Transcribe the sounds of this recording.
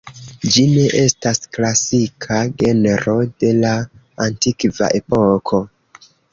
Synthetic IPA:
d͡ʒine̞ʔe̞stasklasikʰaɡe̞neɾo̞de̞laː | ntikva̰ʔepokʰo

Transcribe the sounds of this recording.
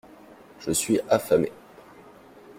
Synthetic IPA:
ʒ̥əsɥiʔafamḛ

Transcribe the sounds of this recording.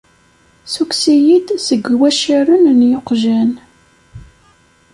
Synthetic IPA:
suksijid̪səɡwæʃiɾənnjoqʒæn

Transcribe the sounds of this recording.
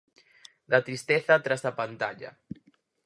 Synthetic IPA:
d̪at̪ɾist̪eθat̪ɾazðapant̪aʎa̰

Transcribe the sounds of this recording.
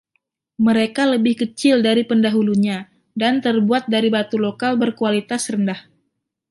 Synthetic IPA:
məɾekaləbɪhkət͡ʃɪldaɾipəndaɦuluɲa | dant̪ərbuat̪̚daɾibat̪ulokalbərkualit̪asrəndah

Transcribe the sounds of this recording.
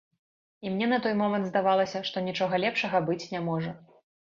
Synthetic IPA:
imnʲɛnɐt̪ɔjmɔmɐnt̪zd̪avalˠɐsʲɐʂt̪ɔnʲit͡ʂɔɣɐlʲɛpʂɐɣɐbɨt͡sʲnʲamɔʐɐ

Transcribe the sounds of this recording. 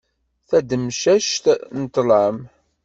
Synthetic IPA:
θæd̪əmʃæʃt̪nət̪ːləm

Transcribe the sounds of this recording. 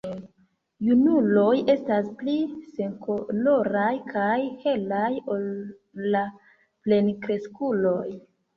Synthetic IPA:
junulo̞je̞staspliseŋkolo̞ɾajkʰajhe̞lajo̞lː | a | ple̞nkɾe̞skulo̞j

